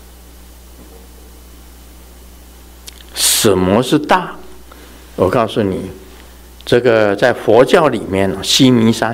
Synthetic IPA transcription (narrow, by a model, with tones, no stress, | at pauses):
s̩˨˩mwɔ˧˥ʂɻ̩˥˧t̪a˥˩ | wɔ˨˩kʰɑ˥˧ʊsu˥˩nḭ˨˩ | ʈ͡ʂɤ˥˩ɡə˩t͡sa˥˩ɪfɔ˧˥t͡ɕjɑ˥˩ʊli˨˩mjɛ˥˩nə˩ɕi˥ni˧˥ʂa˥